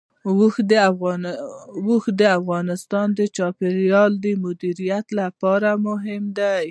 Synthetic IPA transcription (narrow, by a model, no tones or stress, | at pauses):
wxd̪ɣ | wuxd̪əafɣɑnɪst̪ɑnd̪ət͡ʃɑpeɾjɑld̪əmʊd̪iɾijat̪lapɑɾamʊɦɪmd̪a